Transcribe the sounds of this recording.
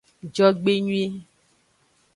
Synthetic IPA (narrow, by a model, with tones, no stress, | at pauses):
d͡ʒɔ˦ɡ͡be˦ɲũ˦e˦